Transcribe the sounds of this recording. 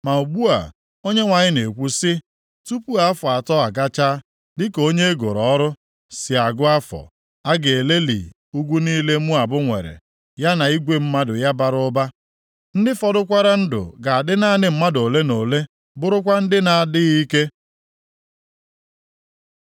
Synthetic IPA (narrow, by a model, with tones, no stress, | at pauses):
ma˨u˨ɡ͡bu˦a̰˨ | o˦ɲe˦ŋʷa˨ɲɪ˦ne˨kʷu˦sɪ˦ | tu˦pu˦a˨a˦fɔ˨a˨tɔ˦a˨ɡa˦t͡ʃaː˦ | dɪ˦ko˦ɲe˦ɡo˨ɾɔ˨˦ɾʊ˦ | sɪ˨a˨ɡʊ˦a˦fɔ̰˨ | a˦ɡe˨e˨le˦lḭ˨ | u˦ɡʷu˦niː˦le˦mu˦a˨bʊ˦ŋʷḛ˨ɾḛ˨ | ja˦na˨i˦ɡʷe˦m̩˦ma˦dʊ̰˨ja˦ba˨ɾʊ˦ba˦ | n̩˦dɪ˦fɔ˨dʊ˦kʷa˦ɾa˦n̩˦dʊ̰˨ɡa˨a˨dɪ˦na˦˨nɪ˦m̩˦ma˦do˨le˦no˨le˦ | bʊ˦ɾʊ˦kʷa˦n̩˦dɪ˦na˨a˨dɪ˦ɣi˦ke˦